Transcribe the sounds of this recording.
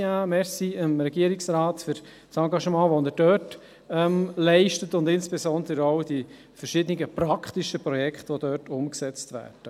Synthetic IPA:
amɛsiəmɾɛɡiːəɾɪksɾɑːtfʏɾ | sɑŋɡɑʃmɑ̃ːʋonəd̥œːt | ɛmlɛɪʃtətʊndɪnspesɔnd̪əɾoʊd̥i | fəɾʃɪdənɪɡəpɾɑkχt̪iʃəpɾɔjɛkʰχtʋod̥œːtʰʊmksɛt͡stʋæ̰ːɾd̥ə

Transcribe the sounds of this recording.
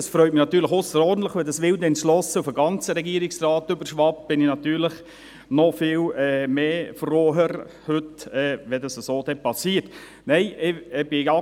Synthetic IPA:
ɑsfɾœʏtmɪnɑt̪ːyːləχʊsəɾɔrdn̩tləχʋɛdɑsʋɪld̪ɛnslɔsəufəɡɑnt͡səɾɛɡiːɾɪksrɑːt̪ʏbəɾʃʋɑp̚b̥ɪnɪnɑt̪yːɾləχ | nɔfɪːlɛːmeːfroːɦəɾ | høtɛːʋɛdɑsəsoːdɛpɑsiːrt | nɛɪʔɪb̥ɪɑ

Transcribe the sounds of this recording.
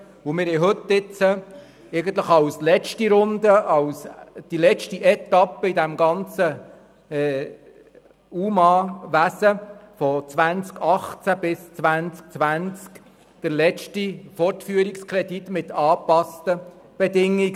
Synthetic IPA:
ʊmɪɾhɛɪɦɵt̪ːɪt͡sə | ɛɪɡən̩tləχɑwslɛt͡ʃtiɾʊnd̪əɑwsd̥ilɛt͡ʃtiʔɛt̪ɑpːəid̪æmɡɑnt͡sə | ɛ | uːmɑʋæsəfɔt͡svʋænt͡skɑχt͡sæb̥ɪst͡svʋænt͡sk̚t͡sʋænt͡sk | d̪̥əɾlɛt͡ʃtifɔrtfyːəɾikskʰɾɛd̪it̪mɪt̪ɑːpɑstə | b̥ɛd̪ɪŋːiɡ

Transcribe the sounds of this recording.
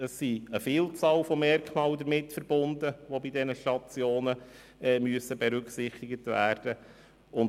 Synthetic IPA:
əsːiəfiːlt͡sɑːlfɔmɛrkmɑːld̪əɾmɪtfəɾb̥ʊndəʋobidɛnəʃtɑt͡sjoːnə | ɛmyəsəbɛɾʏksɪχt̪ɪɡətʋæːrd̥ə | ʊn

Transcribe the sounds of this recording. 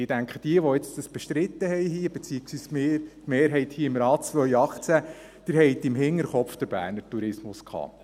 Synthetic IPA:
ɪd̥æŋkχəd̥̪iəʋɔɪt͡sd̥̪əsb̥eʃt̪ɾɪt̪ːəhɛjɦiəb̥et͡siːɪksʋiːsmɪtmeːɾɦɛjt̪hiːɪmɾɑːt͡sʋœjɑχt͡sæ | d̥̪iɾɦɛjt̪ɪmɦɪŋːəɾχɔpfd̪əɾbæ̰ːɾnəɾtuɾɪsmʊskʰɑ̰ː

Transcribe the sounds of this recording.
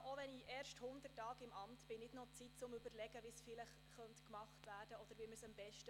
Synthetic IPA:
ʔoʋɛniʔɛːrʃthʊndətːɑːɡɪmɑmtb̥ɪnɪdnɔt͡sitt͡sʊmʏbəɾlɛɡəʋisfɪləχ | χœntkmɑχtvæːɾd̥əɔd̥̪əɾʋiːməɾsɑmbɛʃtə

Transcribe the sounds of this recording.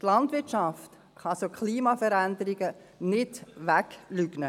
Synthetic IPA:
tlɑndʋɪtt͡ʃɑft | χɑsokʰliːmɑfəɾændəɾiɡə | nɪdʋæklyɡ̥nə

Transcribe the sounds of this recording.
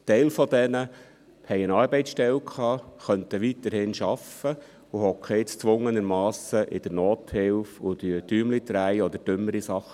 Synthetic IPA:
tɛɪlfɔd̪ɛnə | hɛɪənɑːɾbɛɪt͡ssʃtɛlkʰχɑːχœnt̪əʋit̪əɾhɪnʃɑfə | ʊhɔkʰet͡st͡sʋʊŋənəɾmɑːsəʔɪd̥̪əɾnoːt̪hɪlfʊd̪yəd̥yːmlit̪ɾæɪɔd̪əɾd̥ʏmːəɾisɑχ

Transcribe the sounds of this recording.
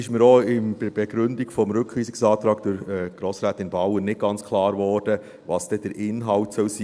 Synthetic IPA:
ɪʃməɾoːɪnbb̥ɛɡ̥ɾʏndiɡ̥fɔmɾʉkiːsɪksɑːt̪ɾɑːɡd̥ɪɾɛɡ̥ɾoːsɾæːt̪ɪnbɑwənnːɪt̚ɡ̥ɑnt͡skʰlɑːɾvɔːɾd̥ə | vɑːsd̥ɛd̥əɾʔɪnɦɑltsœlsiː

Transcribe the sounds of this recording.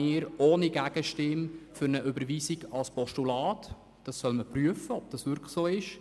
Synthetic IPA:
ɪːɾʔoːniɡ̥æɡ̥əʃtɪmfʏɾnəʔʏbəɾʋiːsiɡɑlspɔʃtulɑːt | d̥ɑsːœlməpryəfəɔb̚d̥ɑsʋʏɾkχsoːɪʃ

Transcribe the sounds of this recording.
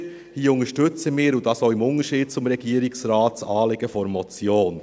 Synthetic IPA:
hiːʊŋəʃtʏt͡səmɪːɾʊdɑsoːɪmʊnəʃiːd̥̚t͡sʊmɾɛɡ̥iːəɾɪksrɑːtt͡sɑːlɪɡ̥əfɔɾmɔt͡sjoːn

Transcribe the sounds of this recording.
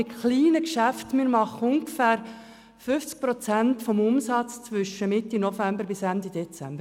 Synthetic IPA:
ɪtχliːnəkʃæftmɪɾmɑχəʊŋɡfæːɾ | fʏft͡sk̚pɾɔt͡sæntfɔmʊmsɑt͡st͡sʋʏʃəmɪtinofæmbəɾbɪsænd̪id̥ɛt͡sæ̰mbə

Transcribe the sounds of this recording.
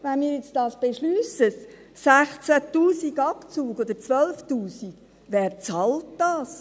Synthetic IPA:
ʋænmiːɾjet͡stɑːsb̥eʃlyːsəs | sæχt͡sæt̪uːsiɡɑpt͡suːɡod̪əɾt͡sʋœlft̪uːsik | ʋɛːɾt͡sɑlt̚d̥ɑːs

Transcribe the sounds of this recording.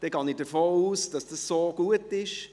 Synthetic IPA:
d̥ɛɡɑːnɪdəɾfoːuːsd̥ɑsd̥əsːoːɡ̥uətɪʃ

